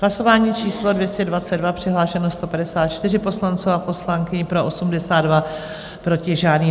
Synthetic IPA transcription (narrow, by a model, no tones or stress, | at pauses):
ɦlaso̞vaːɲiːt͡ʃiːslo̞dvjɛscɛdvat͡sɛddvapr̥ɪɦlaːʃɛno̞st̪o̞padɛsaːt̪̚t͡ʃt̪ɪrɪpo̞slant͡suwapo̞slaŋkɪɲpɾo̞ʔosumdɛsaːd̪dva | pɾo̞cɪʒaːdniː